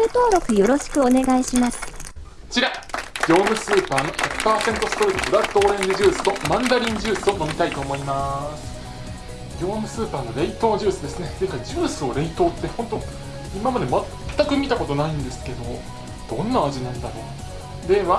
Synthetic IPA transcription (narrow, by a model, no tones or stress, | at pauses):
ɯ̟t̪o̞ːɾo̞kɯ̟jo̞ɾo̞ɕi̥kɯ̟one̞ɡaiɕimasɨ̥ | t͡ɕiɾaɡʲo̞ːmɯ̟sɨːpaːno̞çakɯ̟̥paːsẽ̞nt̪o̞sɨ̥t̪o̞ɾʲenobɯ̟ɾḁt̪ːo̞ːɾẽ̞ɲdɯʑɨːsɨ̥t̪o̞mãnd̪aɾʲĩɲd͡ʑɨːsɨo̞no̞mʲit̪ait̪o̞ːmo̞imasɨ̥ | ɡʲo̞ːmɯ̟sɨːpaːno̞ɾe̞it̪o̞ːʑɨːsɨd̪e̞sɨneze̞kaiʑɨːsɨo̞ɾe̞it̪o̞ːt̪ːe̞ho̞nt̪o̞ | imamad̪e̞matt̪ːakɯ̟mʲit̪ako̞t̪o̞naĩnd̪e̞sɨ̥ke̞d̪o̞ | d̪̥õ̞nːaːʑinãnd̪aɾo̞̰ | d̪e̞βa